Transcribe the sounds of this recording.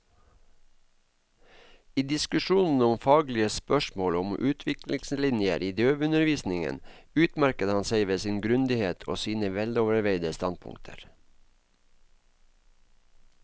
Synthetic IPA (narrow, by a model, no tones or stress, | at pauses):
iːd̪ɪskʉʃuːnn̩ɔmfɑːɡlɪəspœʃmoːlʊmʔʉːt̪ʰʋɪklɪŋslɪnjə̰ɾʔiːd̪øːʋʉnəɾʋiːsnɪŋə̰nʉːt̪mæɾkət̪hɑnseɪʋeːsɪnɡɾʉnd̪ɪheːt̪ʰo̰ːsiːnəʋɛloːʋəɾʋeɪd̪əst̪ɑn̚pʰʊ̰ŋt̪ʰə̰ɾ